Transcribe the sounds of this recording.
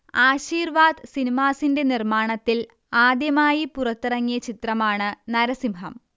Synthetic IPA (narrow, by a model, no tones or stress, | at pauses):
aːɕiːrʋaːd̪sinimaːsinde̞nirmaːɳɐt̪ːil | aːd̪jɐmaːjipurɐt̪ːirɐŋːijɐt͡ɕit̪rɐmaːɳɨnɐɾɐsimɦɐ̰m